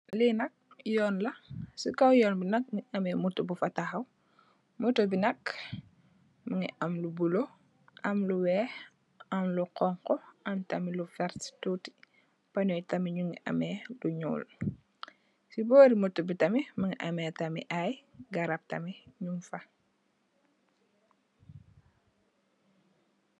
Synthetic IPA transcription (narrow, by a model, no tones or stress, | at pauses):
linɐk̚ | jɔːnlɐsukɐwjɔːnbinɐk̚ŋiʔɐmɛːmutːubufɐtɐxɐw | mutobinɐk | məŋḭʔɐmlubulo | ʔɐmluwɛː | ɐmluqɔŋqɔʔɐmtɐmilufɛɾttuːti̥ | pɐnɔjtɐmiɲuŋiʔɐ̰mɛːluɲṵːl | sibɔːɾimɔtubitɐmiməŋiʔɐmɛːtɐmḭʔajɡɐɾɐp̚tɐmiɲumfɐ